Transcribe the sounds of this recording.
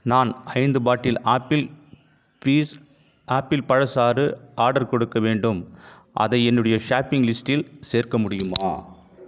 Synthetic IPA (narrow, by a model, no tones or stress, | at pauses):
naːnɐɪnd̪ɯbaːʈːɪlaːpɪl | piːs | aːpːɪlpɐɻɐsaːrɯʔaːɾɽɐɾkɔɽɯkːɐʋeːɳɖɯm | ʔɐ̰ðɐɪɛnːɯɽɐjɐʂaːpːɪŋlɪsʈɪlseːrkɐmʊɽɪjɯma̰ː